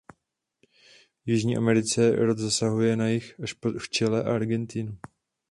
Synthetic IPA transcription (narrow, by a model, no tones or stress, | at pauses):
jɪʒɲiːʔa̰mɛɾɪt͡sɛɾod̪zasaɦujɛnajɪxaʃpoft͡ʃɛlɛʔa̰aɾɡɛnt̪ɪnu